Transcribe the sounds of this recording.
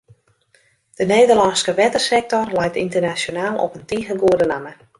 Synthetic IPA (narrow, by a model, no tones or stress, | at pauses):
d̥əneːdərlɑnskəʋɛtərsɛk̚tɔrlɛjtintərnasjonaːlˠɔ̰pəntiːɣənɡuədənamə